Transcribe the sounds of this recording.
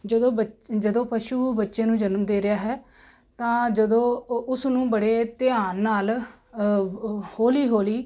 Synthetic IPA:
d͡ʒəd̪õːbəd͡ʒəd̪õːpəʃuːbətːʃẽːnũːd͡ʒənmd̪eːɾɪjaːɦɛː | t̪ãːd͡ʒəd̪õːʊsnũːbəɽeːt̪ɪaːnːaːl | hoːliːɦoːliː

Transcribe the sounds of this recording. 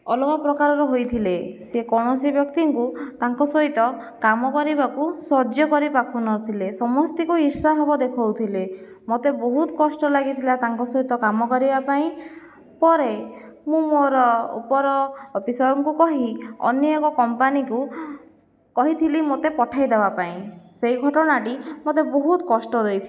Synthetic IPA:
ɔlɔkɔpɾɔkaɾɔɾɔɦojt̪ʰilesekɔɽ̃ɔsibjɔkt̪iŋkut̪aŋkɔsɔɦit̪ɔkamɔkɔɾibakusɔd͡ʒjɔkɔɾipakʰunɔɾt̪ʰilesɔmɔst̪ikuiɾsaɦebɔd̪ekʰɔwt̪ʰile | mot̪eboɦut̪ɔ̥kɔsʈɔlaɡit̪ʰilat̪aŋkɔsɔɦit̪ɔkamɔkɔɾibapaĩ | pɔɾemũmoɾɔṵpɔɾɔːpisɔɾɔŋkukɔɦiɔ̰njekɔkɔmpaniku | kɔɦit̪ʰilimot̪epɔʈʰajd̪ebapaĩseiɡʱɔʈɔnaʈimot̪eboɦut̪ɔkɔsʈɔd̪ejt̪ʰi

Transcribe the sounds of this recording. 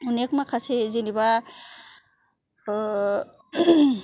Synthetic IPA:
unekmakʰasʰed͡ʒiniba

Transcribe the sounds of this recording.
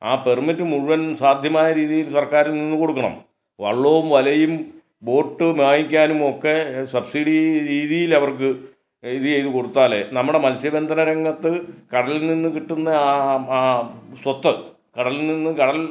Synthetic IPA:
aːpe̞rmitːɨmuɻuʋɐnsaːd̪ʱjɐmaːjɐɾiːðijilsɐrkaːɾilninːuko̞ɽukːɐɳɐ̰m | ʋɐ̰ɭːoːʋumʋɐlɐjum | bo̞ːʈːɨmjaːŋikʲːaːnumo̞kːe̞sɐbsiɽiɾiːðijilɐʋɐrkɨ | iðɨejðɨko̞ɽut̪ːaːlḛnɐmːuɽe̞mɐlsjɐbend̪ʱɐnɐɾɐŋːɐt̪ːɨkɐɽɐlilninːuɨkiʈːunːɐː | sot̪ːɐ | kɐɽɐlilninːɨkɐɽɐl

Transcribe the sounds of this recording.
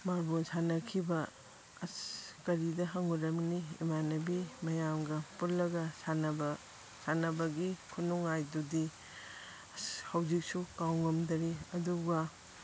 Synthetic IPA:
maɾbosʰanɐkʰibɐ | ɐskɐɾidɐɦɐŋuɾɐmniḭmanɐbimɐjamɡɐpullːɐɡɐsanɐbɐ | sanɐbɐɡikʰunuŋajdudi | hɐwzik̚sukawŋɐmdɐɾiɐduɡɐ

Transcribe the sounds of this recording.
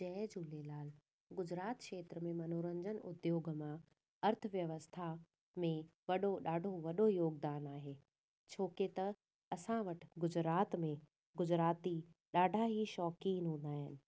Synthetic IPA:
d͡ʑɛːd͡ʑuːlelaːl | ɡʊd͡ʑɾaːt̪kʃeːt̪ɾəmẽmɐnoːɾə̃ɲd͡ʑənʊd̪joːɡəmã | ɐɾt̪ʰəʋjɐʋəst̪ʰa | mẽʋɐɗoɗaːɖʱoʋɐɗojoːɡd̪aːnaːɦeː | t͡ɕʰoːket̪ɐ | ɐsãʋɐʈʰɪ̥ɡʊd͡ʑɾaːt̪mẽ | ɡʊd͡ʑɾaːt̪iɗaːɖʱaɦiʃɔːkiːnɦũːn̆d̪aːɦɪnɪ̆

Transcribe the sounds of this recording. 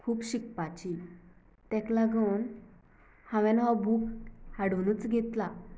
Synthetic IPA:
kʰuːpɕik̚pat͡ɕi | t̪ɛklaɡən | hãʋɛ̃nɦabʱuːkhaɽʋnuːt͡sɡʱet̪la

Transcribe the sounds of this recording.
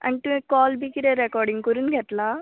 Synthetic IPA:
ɐ̰ɳʈ̪ukɔːlbikiɾeɾekɔːɾɖiŋkuɾunɡʱɛʈ̪la

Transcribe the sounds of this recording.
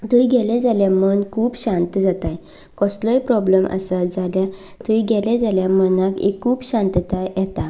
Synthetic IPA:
d̪ujɡʱɛled͡zaljamənkʰuːpɕãnt̪d͡zat̪aj | kɔslɔjpɾɔbləmʔə̰sad͡zalja | t̪ujɡɛlɛd͡zaljamənakḛkʰːuːbɕãnt̪t̪ajɛt̪a

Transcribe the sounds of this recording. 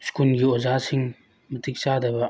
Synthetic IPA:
skulɡiozasiŋ | mɐtik̚sadɐbɐ

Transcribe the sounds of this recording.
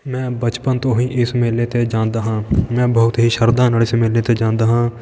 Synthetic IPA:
mɛ̃ːbət͡ʃpənt̪õːɦĩːʔɪsmeːlːẽːt̪eːd͡ʒãːnd̪aːɦãːmɛ̃ːbəʊt̪ɦiːʃəɾd̪aːnaːlɪsmeːleːt̪eːd͡ʒãːnd̪aːɦãː

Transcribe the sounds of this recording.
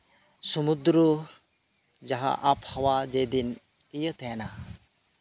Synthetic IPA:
sɔmud̪ɾu | d͡ʒaɦa̰ʔapʰhɔwad͡ʒed̪in | ijət̪ɛna

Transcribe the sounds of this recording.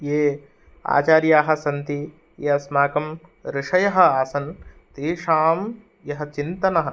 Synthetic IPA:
jeː | a̰ːt͡ʃaːɾjaːɦɐ̆sɐnt̪i | jeːɐsmaːkɐm | ɾɪʂɐjɐɦɐ̆aːsɐn | t̪iːʂaːm | jɐɦɐ̆t͡ʃint̪ɐnɐɦɐ̆

